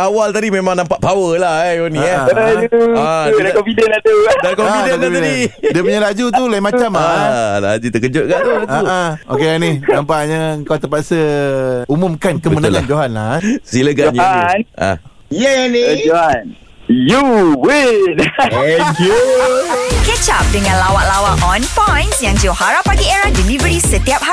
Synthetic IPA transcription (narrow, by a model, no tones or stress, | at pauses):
awalt̪adimemãŋnampaʔpawəlahonĩajuadakofidənladudakoffidəpaidəpuɲalad͡ʒut̪ulaimat͡ʃamala̰d͡ʒut̪ək̬əd͡ʒʊʔ̚ɡaʔt̪ulaãuao̰keaninampaʔɲaəŋkawt̪əpaʔsəumũmkankəmənalŋand͡ʒoɦanlasiləɡanana̰ | jəanid͡ʒoan | juwenɛku | kɛt͡ʃap̚dəŋãnlawaʔlawaʔʔɔnpɔjnsjaŋd͡ʒowhaɾapːaɡieɾahdilivəɾisət̪iap̚ha